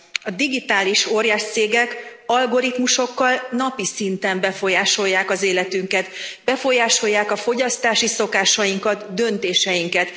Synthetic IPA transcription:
ɒd̪iɡit̪aːliʃo̞ːɾjaːʃt̪seːɡɛkɒlɡo̞ɾit̪muʃo̞kːɒlnɒpisint̪ɛmbɛfo̞jaːʃo̞jːaːkɒzeːlɛt̪yŋkɛt̪bɛfo̞jaːʃo̞jːaːkɒfo̞ɟɒst̪aːʃiso̞kaːʃɒjiŋkɒt̪d̪ø̞nt̪eːʃɛjiŋkɛt̪

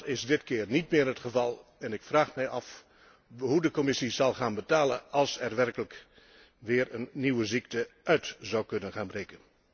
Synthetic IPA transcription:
tɪzdɪtkɪːrnit̚mɪːɹɦətχəvɑlˠɛnɪkfraːχmɛjʔɑf | ɦudəkɔmɪsizɑlˠχaːnbətaːlənɑlˠsɛrʋɛrkələk | ʋɪːɹənːiwəziktəʔœɥtz̥awkɵnənχaːnbrejkən

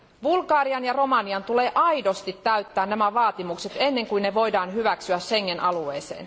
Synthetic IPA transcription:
ʋulɡɑːriɑnjɑromɑniɑnt̪uleːʔɑjdo̞st̪it̪ːæyt̪ːæːnnːæmæʋɑːt̪imukset̪e̞nːe̞ŋkujnneʋo̞idɑːnɦyʋæksyæshe̞ŋːenʔɑlueːsḛːn

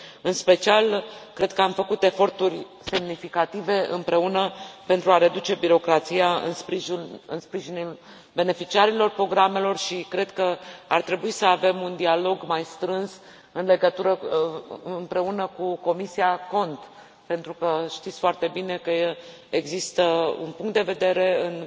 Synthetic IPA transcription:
ɨnspe̞t͡ʃialkɾe̞d̪̚kəamfəkut̪e̞fo̞rt̪urʲ | se̞mnifikat̪ive̞ɨ̰mpɾe̞unəpe̞nt̪ɾuaɾe̞d̪ut͡ʃe̞biɾo̞kɾat̪sijaɨ̰nspiɨnspɾiʒinul | be̞ne̞fit͡ʃiaɾilo̞rpɾo̞ɡɾame̞lo̞rʃikɾe̞d̪kəa̰rt̪ɾe̞buisəave̞mund̪ialo̞ɡmajst̪ɾɨns | ɨnle̞ɡət̪uɾə | ɨmpɾe̞unəkuko̞misiako̞nt̪ | pe̞nt̪ɾukəʃt̪it̪sʲfoart̪e̞bine̞kə | eɡzist̪əṵnpuŋkt̪d̪eve̞d̪e̞ɾe̞ɨn

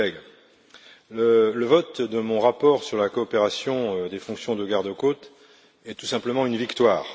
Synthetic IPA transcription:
ɛɡ | lələvɔt̪d̪əmɔ̃ʁapɔʁsyʁlakɔːpeʁasjɔ̃d̪efɔ̃ksjɔ̃d̪əɡaʁd̪əkot̪ | ɛt̪u̥sɛ̃pləmɑ̃ynvikt̪waːʁ

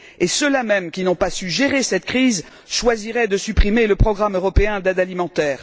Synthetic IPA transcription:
esəlamɛmkʲinɔ̃pasyʒeʁesɛt̪kχiz | ʃwaziʁɛd̪əsypχimeləpχɔɡʁamøʁɔpeɛ̃d̪ad̪alimɑ̃t̪ɛːʁ

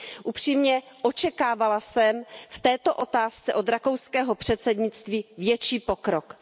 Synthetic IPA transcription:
ʔupr̥iːmɲɛʔot͡ʃɛkaːvalasɛmft̪ɛːt̪o̞ʔo̞t̪aːst͡sɛʔo̞d̪ɾakowskɛːɦo̞pr̝̥ɛt̪sɛd̪ɲɪt͡st̪viːvjɛt͡ʃiːpo̞kɾok

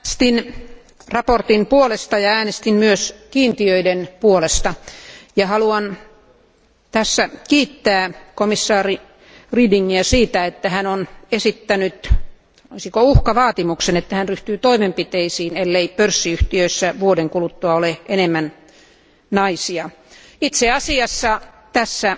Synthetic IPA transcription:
st̪in | rɑport̪inpuolest̪ɑjɑæːnest̪immyøskiːnt̪iøidenpuolest̪ɑjɑhɑluɑn | t̪æsːækiːt̪ːæːkomisːɑːri | riːdiŋːiæsiːt̪æet̪ːæhænonesit̪ːænyt̪ | o̰isikouhkɑʋɑːt̪imuksenet̪ːæhænryht̪yːt̪oimempit̪eisiːnelːeipørsːiyht̪iøisːæʋuodeŋkulut̪ːuɑoleʔenemːæn | nɑisiɑ | it̪seɑsiɑsːɑ | t̪æsːæ

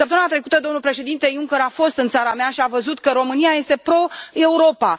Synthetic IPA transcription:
səpt̪əmɨnat̪ɾe̞kut̪əd̪o̞mnulpɾe̞ʃe̞d̪int̪e̞juŋkʲe̞ɾafo̞st̪ɨnt̪saɾameaʃiavəzut̪kəɾo̞mɨniaje̞st̪epɾo̞e̞uɾo̞pa

